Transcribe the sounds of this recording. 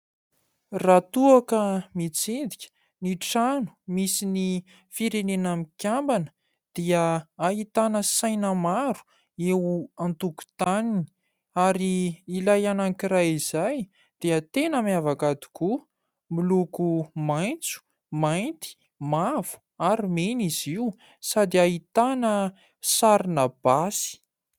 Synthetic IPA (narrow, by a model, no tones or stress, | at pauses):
rat̪uakəmit͡sind̪ikʲə̥ | niʈ͡ʂanu̥misini | fiɾenenamikʲjambanə̥ | d̪̥iəaɦit̪anəsajnəmaɾu̥ | ewuant̪uku̥t̪anini̥ | aɾiːlajanaŋkiɾajizaj | d̪̥iət̪enamavakad̪i̥ku | milukumajnt͡su̥ | majnt̪i̥ | mavu̥ | aɾimeniziw | sad̪iait̪anə | saɾinəb̥asi̥